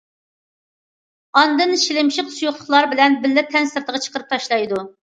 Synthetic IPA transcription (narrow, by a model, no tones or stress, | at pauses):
ɑnd̪ɨnʃilɪmʃɪqsujuχlˠʊχlˠɑɾbɪlɛnbɪlːɪt̪ʰɛnsɪɾt̪ʰəʁɑt͡ʃʰə̥qəɾɨp̚t̪ʰɑʃlˠɑjd̪u